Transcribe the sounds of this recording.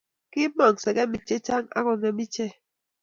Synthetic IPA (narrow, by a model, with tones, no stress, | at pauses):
ki˦mɔ˨ŋsɛ˨ɡɛ˦mi˨t͡ʃe˦t͡ʃa˦ŋa̰˦kɔ˨ŋɛ˨mi˦t͡ʃe˦